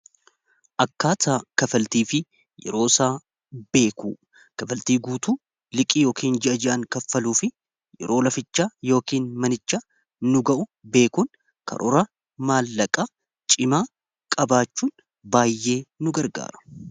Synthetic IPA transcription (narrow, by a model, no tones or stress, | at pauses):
ʔɐkːaːt̪aːkɐfɐlt̪iːfɪ | jɛ̰ɾo̞ːsaː | b̥e̞ːkṵː | kɐfɐlt̪iːɡuːt̪uː | lɪkʼiːjo̞ːkiːnd͡ʒɛʔɐd͡ʒɛʔɐŋkɐfːɐluːfɪ | jɛ̰ɾo̞ːlɐfɪt͡ʃːaːjo̞ːkiːnmɐnɪt͡ʃːa | nʊɡɐʔʊbe̞ːkun | kʰɐ̰ɾʔɔɾɐ | maːlːɐkʼa | t͡ʃʼɪmaː | kʼɐbaːt͡ʃːuːn | baːjːe̞ːnʊɡɐɾɡa̰ːɾɐ̥